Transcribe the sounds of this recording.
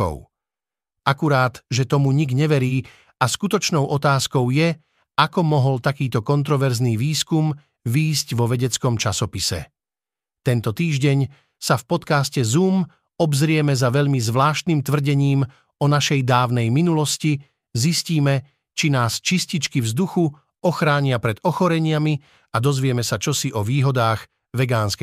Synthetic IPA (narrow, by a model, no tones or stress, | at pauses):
ɔ̰ʊ | ʔakuɾaːd̪ʒɛt̪ɔmuɲiɡɲɛʋɛɾiː | askut̪ɔt͡ʃnɔʊʔɔt̪aːskɔʊjɛ | akɔmɔɦɔlt̪akiːt̪ɔkɔnt̪̬ɾɔʋɛɾzniːʋiːskum | ʋiːscʋɔʋɛɟɛt͡skɔmt͡ʃasɔpisɛ̰ | t̪ɛnt̪ɔt̪iːʒɟɛɲ | safpɔt̪kaːscɛzuːm | ɔbzɾɪɛmɛzaʋɛʎmizʋlaːʃt̪nimt̪ʋr̩ɟɛɲiːm | ɔnaʃɛjd̪aːʊnɛjminulɔsci | zisciːmɛ | t͡ʃinaːst͡ʃiscit͡ʃkivzd̪uxu | ɔxɾaːɲɪapɾɛd̪ɔxɔɾɛɲɪami | ad̪ɔzʋɪɛmɛsat͡ʃɔsiʔɔʋiːɦɔd̪aːɣ | ʋɛɡaːnskɛ